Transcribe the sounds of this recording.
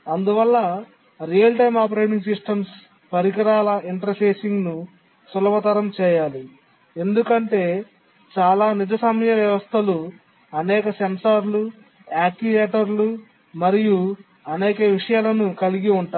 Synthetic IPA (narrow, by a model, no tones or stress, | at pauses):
ɐnd̪uʋɐlːɐ | ɾijɐlʈɐjmaːp̬ɾɐjmiŋsisʈɐms | pɐɾikɐɾaːlɐʔiɳʈɐɾpeːsiŋɡnu | sulɐmɐt̪ɐɾɐmt͡ʃɛːjaːli | e̞nd̪ukɐɳʈe̞ː | t͡ʃaːlaːnid͡ʒɐsɐmjɐʋjɐʋɐst̪ʰɐlu | ɐnɛːkɐsɐmsaːɾlu | aːk̚ʈiʋeːʈɐɾlu | mɐɾiju | ɐnɛːkɐʋiʂɐjaːlɐnukɐliɡiuɳʈa